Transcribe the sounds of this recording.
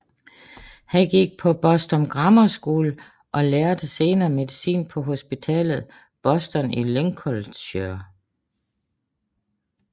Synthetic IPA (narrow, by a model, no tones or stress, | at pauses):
hænɡ̥iɡ̥̚pʰɒ̽b̥ɒ̽sd̥ɒ̽mɡ̥ʁɑmɐsɡ̥oːlə | ʔɒ̽leɐd̥əse̝ːnɐːme̝ðˠisḭːnpʰɒ̽ɦo̝sb̥it͡sʰɛ̰ːlð̩ˠ | b̥ɒ̽sd̥ɒnileŋkʰɒlɕøɐ